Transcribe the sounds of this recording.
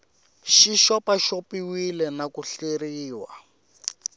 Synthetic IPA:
ʃiʃɔpaʃopiwilɛnakuɬeɾiːwa̰

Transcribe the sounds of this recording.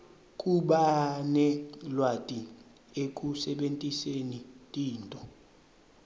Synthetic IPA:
kʼuɓanɛlwatʼi | ek̬ʼusɛɓentʼisenitʼiːntʼɔ

